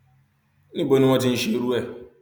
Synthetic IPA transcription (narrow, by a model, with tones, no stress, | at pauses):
nĩ˦bo˨˦nĩ˦ŋɔ̃˦tɪ˦n̩˦ʃe˨ɾu˦ɛ˨